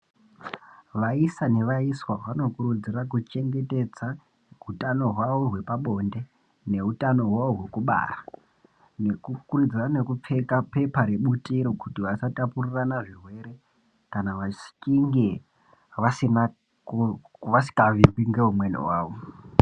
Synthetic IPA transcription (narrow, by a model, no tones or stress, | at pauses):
ʋaisane̞ʋaiswaʋano̞kuɾud͡zirak̬ut͡ʃe̞ŋɡe̞te̞d͡za | ɦutano̞ɦwaʋo̞ɦwe̞paɓo̞nde̞ | ne̞ɦutano̞ɦwaoɦwe̞kuɓa̰ːra | nekukund͡zirane̞kup͡fe̞kape̞paɾe̞ɓutʼiɾo̞kutiʋasatapuriranaʐirwe̞ɾe̞ | kanaʋasi̥kiŋɡe | ʋasina | ʋasi̥kaʋimbiŋɡe̞ɦumwenḭwaːʋo